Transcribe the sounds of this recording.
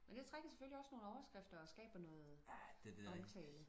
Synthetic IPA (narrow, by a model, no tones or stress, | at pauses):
mend̥et͡sʰʁaɡ̥ɐse̥føliɒ̽sno̝ːn̩əɒʊɐsɡ̥ʁafd̥ɐɒ̽sɡ̥ɛ̰ːb̥ɐnɔ̽ːð̩ˠd̥ɒmt͡sʰɛ̰ːləð